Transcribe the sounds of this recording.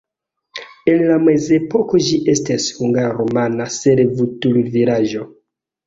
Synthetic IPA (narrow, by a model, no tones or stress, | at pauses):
e̞nlameze̞po̞ko̞ʒiʔe̞stashuŋɡaɾomanaseɾevutulviɾaʒo̞